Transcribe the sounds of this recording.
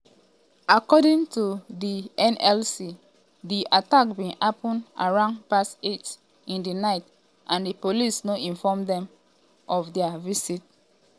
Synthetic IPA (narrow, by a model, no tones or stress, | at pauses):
akɔdĩŋtudiʔɛ̃nɛlsi | diʔatakbĩnapɔ̃nʔa̰ɹãʊ̃npaset | ĩndinaɪt | ʔãndipolisnoʔĩnfɔmdɛ̃m | ʔɔfdɛavisit̚